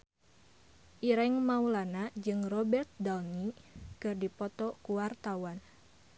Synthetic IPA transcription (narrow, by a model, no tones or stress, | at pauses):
ʔiɾɛŋmaulanad͡ʒɨŋrɔbɛrt̪̚dalnikɨrdipɔt̪ɔkuwart̪awan